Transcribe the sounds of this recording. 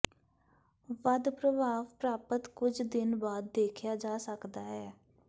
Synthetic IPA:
ʋəd̪pɾəbʱaːʋpɾaːpət̪kʊd͡ʒʰd̪ɪnbaːd̪̚ːeːkʰjaːd͡ʒaːsəkd̪aːɦɛː

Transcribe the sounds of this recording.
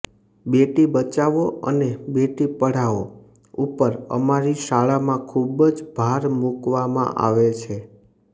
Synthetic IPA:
beʈibət͡ʃaʋoə̰nebeʈipəɽ̤aʋo̰ | upəɾə̰maɾiʃaɭamãkʰubd͡ʒbʱaɾmukʋamã̰ʔa̰ʋet͡ʃʰe

